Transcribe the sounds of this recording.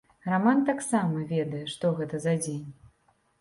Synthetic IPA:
ramant̪aksamɐvʲɛd̪ɐjɛʂt̪ɔɣɛt̪ɐzad͡zʲenʲ

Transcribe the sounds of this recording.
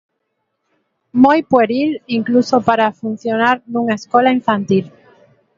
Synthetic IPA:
mojpweɾiliŋklusopaɾafun̟θjonaɾnũŋaeskolaiɱfãnt̪il

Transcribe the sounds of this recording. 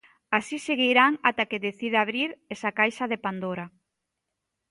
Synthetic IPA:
asiseɣiɾaŋat̪akeðeθiðaaβɾiɾesakajʃaðepand̪oɾa

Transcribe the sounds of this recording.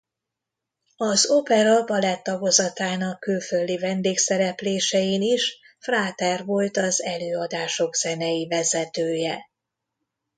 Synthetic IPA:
ɒzopɛɾɒbɒlɛt̪ːɒɡo̞zɒt̪aːnɒkːylføld̪ivɛnd̪eːksɛɾɛpleːʃɛjiniʃ | fraːt̪ɛrvo̞lt̪ɒzɛløːɒd̪aːʃo̞ɡz̥ɛnɛjivɛzɛt̪øːjɛ

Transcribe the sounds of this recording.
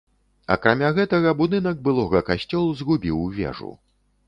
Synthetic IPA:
ɐ̰kɾamʲaɣɛt̪ɐɣɐbud̪ɨnɐɡ̚bɨlˠɔɣɐkasʲt͡sʲɔlˠuzɣubʲiwvʲɛ̰ʐṵ

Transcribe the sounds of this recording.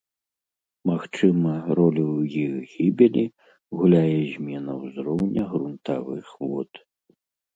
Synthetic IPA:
maxt͡ʂɨmɐɾɔlʲujiɣɣʲibʲilʲi | ɣulʲajɛzʲmʲɛnɐwzɾɔwnʲɐɣɾunt̪avɨxvɔt̪

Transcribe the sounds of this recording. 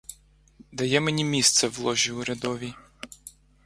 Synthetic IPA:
d̪ɐjɛmenʲimʲist̪sɛʋlˠɔʒʲiʊɾʲɐd̪ɔʋʲi

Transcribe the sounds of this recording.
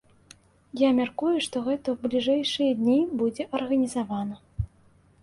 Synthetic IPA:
jamʲarkujuʂt̪ɔɣɛt̪ɐwblʲiʐɛjʂɨjɐd̪nʲibud͡zʲɛʔɐrɣɐnʲizavanɐ

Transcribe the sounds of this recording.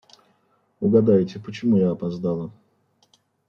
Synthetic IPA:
ʊɡɐd̪ajtʲɪpət͡ɕɪmujaːpɐzd̪alˠə

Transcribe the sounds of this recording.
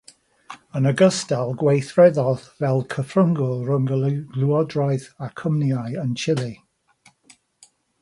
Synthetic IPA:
ənəɡəstalˠɡwejθrɛðɔðvɛlˠkʰəfrəŋɡʊlˠrəŋɡlˠuɔdrɔjðakʰəmnjajənt͡ʃʰɪlˠi

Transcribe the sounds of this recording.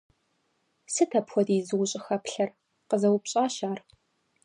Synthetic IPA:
sɨtʰɐpxʷɔdiːzɨwʊɕʼɪxɐpɬɐr | qəzɐwpɕʼaːʃaːr

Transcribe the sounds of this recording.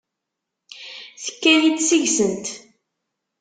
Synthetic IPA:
θə̥kːæjidsiʝsənt̪

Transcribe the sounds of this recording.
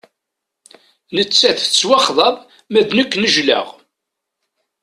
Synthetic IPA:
nət͡sːæθət͡sːwɑχðˤɑv | mæðnəkːnəʒlæ̰ʁ

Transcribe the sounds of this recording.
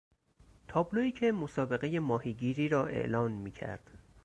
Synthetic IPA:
t̪ʰɒːbloiːcʰe̞mo̞sɒːbe̞ɣe̞je̞mɒːhiːɟiːɾiːɾɒːʔe̞̰ʔlɒːnmiːcʰæ̰ɾd̪̥

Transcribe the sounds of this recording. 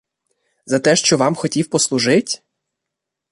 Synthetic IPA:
zɐt̪ɛʃt͡ʃɔʋɑmxɔtʲiwpɔslˠʊʒɪtʲ

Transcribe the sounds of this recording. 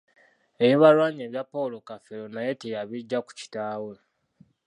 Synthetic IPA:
e̞βiβalwaːɲieːβjapːolokafelonaje̞tejaβiɟːaku̥ci̥taːwe

